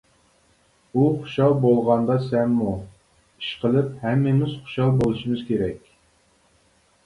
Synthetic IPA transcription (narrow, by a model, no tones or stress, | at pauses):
uχu̥ʃɑlˠbolˠʁɑnd̪ɑsɛmːu | i̥ʃqʰəlˠɨphɛmːɪmɪz̥χʊ̥ʃɑlˠbolˠɨʃimɨzkʲeɾɛkʲ